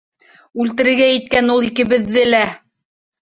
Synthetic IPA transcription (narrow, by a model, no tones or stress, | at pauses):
ʉlt̪ɘ̆ɾɘ̆ɾɡæjɘ̆t̪̚kænulˠikɘ̆βɘ̆ðːɘlæ